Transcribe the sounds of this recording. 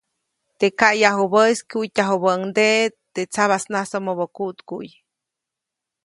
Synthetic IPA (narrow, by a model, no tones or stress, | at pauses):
t̪ekajaɦubəskuʔjtʲaɦobəʔŋd̪et̪eʔt͡saβasnasomobokut̪kṵʔj